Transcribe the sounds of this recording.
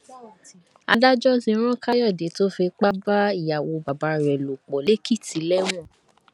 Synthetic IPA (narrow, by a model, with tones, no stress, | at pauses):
a˧da˦d͡ʒɔ˦zĩ˧˦ɾ̃ɔ̃˦ka˦jɔ˦˨de˨˦to˦fe˧k͡pa˦ba˦i˦˨ja˨wo˨ba˨ba˧˦ɾɛ˨lo˨k͡pɔ˨le˦ki˦˨ti˨˦lɛ˦w̃ɔ̃˦˨